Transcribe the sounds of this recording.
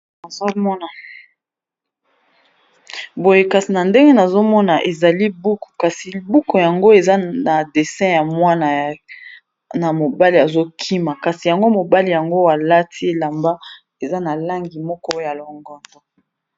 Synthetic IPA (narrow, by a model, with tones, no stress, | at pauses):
na˨zo˦mɔ˦na˨ | bo˨je˦ka˨si˨na˨nde˦ŋɡe˦na˨zo˦mɔ˦na˨ʔe˨za˨li˦bu˦ko̥˨ka˨si˨bu˦ko˨ja˨ŋɡo˦e˨za˦na˨de˨sɛ̃˦ja˨mwa˦na˨ | na˨mo˨ba˦li˨a˨zo˦kʰi˦ma˨ka˨si˨ja˨ŋɡo˦mo˨ba˦li˨ja˨ŋɡo˦a˨la˦tʰi˦e˨la˨mba˦ | e˨za˦na˨la˦ŋɡi˨mɔ˦kɔ˦ja˨lɔ˨ŋɡɔ˨ndɔ˨